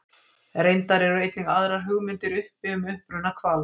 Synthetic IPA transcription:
ɾejnt̪aɾɛɾejt̪nɪŋaðɾaɾ̥ɦʏɣmɪnt̪ɪɾʏhpɪʏmʏhpɾʏnakʰvaːl

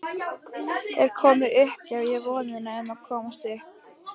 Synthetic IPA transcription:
ɛɾ̥kʰɔːmɪʏhpavjɛvɔːnɪnaɛnːakʰɔːmast̪ɪhp

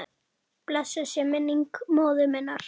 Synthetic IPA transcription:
plɛsɪsjɛmɪnːiŋkmoːwðʏmɛnːaɾ̥

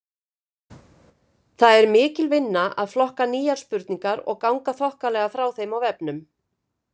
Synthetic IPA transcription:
θaðɛɾmɪːcɪlvɪnːaʔa̰ðflɔhkaniːjaɾ̥spʏɾt̪niŋkaɾɔ̰ɣkawŋkaθɔhkalɛːɣafɾawθejmawvɛpnʏm

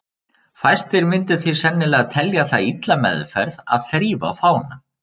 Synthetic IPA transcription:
fajst̪ɪɾmɪnt̪ɪ̥θisɛnːɪlɛːɣat̪ʰɛljaθait̪lamɛ̰ðfɛ̰ɾða̰ðθɾiːva̰faːwna

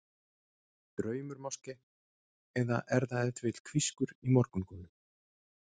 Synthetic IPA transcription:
t̪ɾœːɥmʏɾmawscɪ | ɛða̰ʔɛɾðaɛnt̪vɪt̪l̥kʰviskʏɾimɔɾkʏnkɔːnʏ

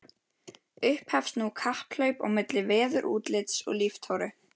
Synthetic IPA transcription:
ʏhphɛfst̪nukʰahplœɥpɔ̰ɣmɪt̪lɪvɛːðʏɾʔṵːt̪lɪt̪sɔ̰ɣlift̪ʰawɾʏ

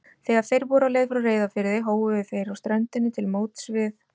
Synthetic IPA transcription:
θɛːɣaɾ̥θejɾvɔːɾawleːjðfɾawreːjðafɪɾɪðɪjɦoːwʏvɪθejɾawst̪ɾœnt̪ɪnːɪt̪ʰɪlmoːwt̪svɪθ

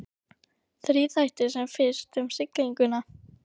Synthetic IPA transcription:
θɾiːθajht̪ɪ̥sɛmfɪnst̪ʏmsɪkliŋkʏna

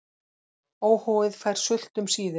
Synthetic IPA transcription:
oːwhɔːwɪðfajɾ̥sʏl̥t̪ʏmsiːðɪ

